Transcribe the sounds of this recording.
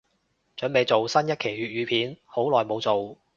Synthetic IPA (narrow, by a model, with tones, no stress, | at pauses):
t͡ʃɵ˨˥npe˨˧jt͡so˨wsɐ˥njɐ˥t̚kʰe˨˩jɥyː˨t̚ɥyː˨˧pʰiː˨˥nho˨˥wlɔː˨jmo˨˧wt͡so˨w